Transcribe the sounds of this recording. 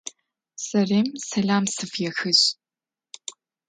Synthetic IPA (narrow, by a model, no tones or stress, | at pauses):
sɐreːmsɐɮaːmsɨfjɛxɨɕ